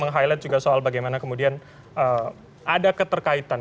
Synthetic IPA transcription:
məŋɦajlat̪̚d͡ʒuɡasoalbaɡajmanakəmudian | ʔə | adakət̪ərkait̪an

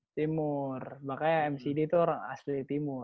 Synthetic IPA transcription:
t̪imʊrbakajaɛmsidit̪uoɾaŋa̰slit̪imʊr

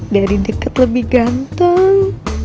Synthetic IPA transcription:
daɾidəkət̪ləbɪhɡant̪əŋ

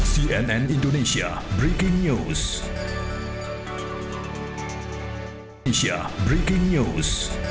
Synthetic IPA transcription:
siɛnɛ̃nĩndonesia̰bɾikɪ̃ŋɲus | ʃia̰bɹikɪ̃ŋɲus

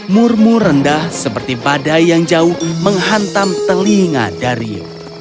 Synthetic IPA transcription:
mʊrmʊrəndahsəpərt̪ibadajaŋd͡ʒaʊhməŋɦant̪amt̪əliŋa̰daɾiṵ

